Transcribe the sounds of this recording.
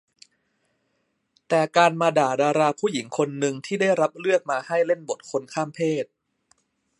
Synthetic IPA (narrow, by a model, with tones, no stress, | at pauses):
t̪ɛː˨˩kaː˧nmaː˧daː˨˩daː˧ɾaː˧pʰuː˥˩ji˩˦ŋkʰo˧nːɯ˧ŋt̪ʰiː˥˩daː˥˩jɾa˦˥p̚ɾɯ˥˩ək̚maː˧ha˥˩jle˥˩nbo˨˩t̪̚kʰo˧nkʰaː˥˩mpʰeː˥˩t̪̚